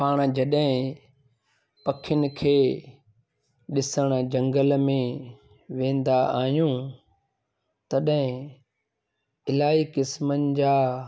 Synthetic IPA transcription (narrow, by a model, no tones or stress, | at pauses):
paːɽ̃d͡ʑɐɗɦɪ̃ | pɐkʰjʊnɪ̆kʰeː | ɗɪsəɽ̃d͡ʑɐ̃ŋɡəlmẽ | ʋẽːn̆d̪aaːɦjũ | t̪ɐɗɦɪ̃ | ɪlaːikɪsmənɪ̆d͡ʑaː